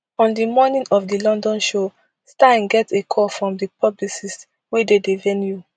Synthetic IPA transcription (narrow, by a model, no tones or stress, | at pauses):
ɔ̃ndimɔnĩnɔfdilɔ̃ndɔ̃nʃo | stãnɡɛtekʰɔfɹɔ̃mdipʰɔblisis | wededevɛnju